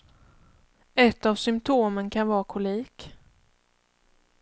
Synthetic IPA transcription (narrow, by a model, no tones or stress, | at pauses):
ɛt̪ːavsʏmpt̪ʰoːmənkʰanvɑːɾkʰʊliːk